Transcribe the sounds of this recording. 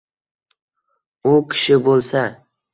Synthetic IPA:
ʊkʲʰɪ̥ʃɪbolˠsa

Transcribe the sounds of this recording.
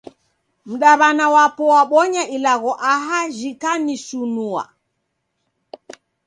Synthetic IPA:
m̩ɗaβanawapɔwaɓɔɲaʔilaɣɔʔaɦaʒikanisunua̰

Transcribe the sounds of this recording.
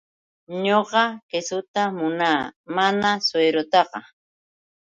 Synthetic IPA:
ɲoɢɑkesʊt̪amʊnaːmanasweːɾot̪ɑqɑ

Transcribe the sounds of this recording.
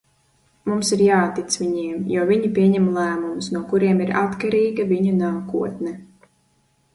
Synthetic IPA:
mumsiɾjaːt̪ːit̪sʋiɲiɛmjuɔviɲipʲiɛɲɛmlˠæːmumsnuɔkuɾiɛmiɾa̰t̪kaɾiːɡaviɲunaːkṵɔt̪nɛ

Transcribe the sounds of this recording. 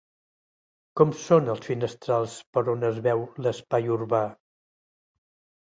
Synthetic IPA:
kɔmsonəlˠsfinəst̪ɾalˠspəɾonəzβɛwləspajuɾβa

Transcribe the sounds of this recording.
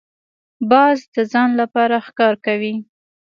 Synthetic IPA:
bɑzd̪əzɑnlapɑɾaxkɑɾkawi

